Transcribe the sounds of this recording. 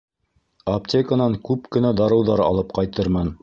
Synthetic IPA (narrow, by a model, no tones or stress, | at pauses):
optʲekanɑŋkʉpkɘ̆næd̪ɑɾɤ̆wðɑɾɑ̰lˠɤp̚qɑjt̪ɤɾmɑn